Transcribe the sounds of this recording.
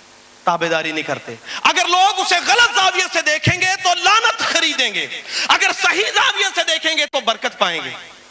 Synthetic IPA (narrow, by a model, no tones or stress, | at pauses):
t̪aːbed̪aːɾinĩkəɾt̪ḛːɐɡəɾloːɡʊseɣɐlət̪zaːwɪjased̪eːkʰẽːŋɡet̪olaːnət̪xəɾiːd̪ẽːŋɡeːɐɡəɾsɐɦizaːwɪjased̪eːkʰẽːŋɡet̪obəɾkət̪̚paːẽːŋɡḛː